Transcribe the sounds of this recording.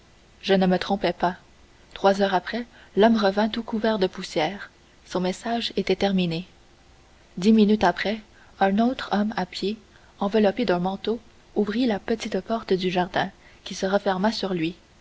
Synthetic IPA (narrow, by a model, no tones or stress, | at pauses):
ʒənəmət̪χɔ̃pɛpa | t̪χwazœːʁapχɛ | lɔmʁəvɛ̃t̪ukuvɛʁd̪əpusjɛːʁ | sɔ̃mɛsaʒet̪ɛt̪ɛʁmine | d̪iminyt̪apχɛ | œ̃not̪χɔmapje | ɑ̃vəlɔped̪ɛ̃mɑ̃t̪o | uvʁilapət̪it̪pɔʁt̪d̪yʒaʁd̪ɛ̃ | kʲisəʁəfɛʁmasyʁlɥi